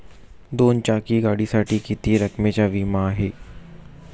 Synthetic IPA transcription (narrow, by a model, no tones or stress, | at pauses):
d̪oːnt͡ʃaːkiɡaːɽisaːʈikit̪ieɾɐkmẽt͡ʃaʋimãɦeː